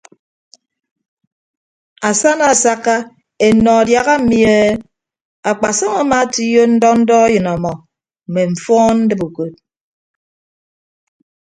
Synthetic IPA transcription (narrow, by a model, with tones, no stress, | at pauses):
a˨sa˦na˨sa˦kːa˦ | e˨nɔ˨a˨dja˨ɣa˦m̩˦mi˦˨e˦ | a˨k͡pa˨sɔ˦ŋa˨ma˦ti˦jo˦n̩˦dɔ˦n̩˦dɔ˦jɨ˨nɔ˨mɔ˨ | m̩˨me˨ɱ̩˨fɔː˦nn̩˦dɨ˦bu˨ko˨t̚